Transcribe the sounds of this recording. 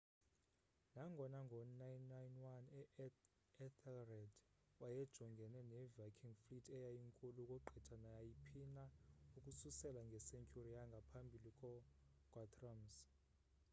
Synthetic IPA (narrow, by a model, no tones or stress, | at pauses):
naŋɡʱɔnaŋɡʱɔnajnːajnwanɛ | ɛt̪ʰɛlrɛd | wajɛd̥ʒ̥ʱɔŋɡʱɛnɛnɛvakʰiŋflitʰʼɛjajiŋkʼulukʼɔǃʱɛtʰanajajipʰinaukʼususɛlaŋɡʱɛsɛŋkʰʼuriaŋɡʱapʰambʱilikʼɔ | kʼwatʰʼrams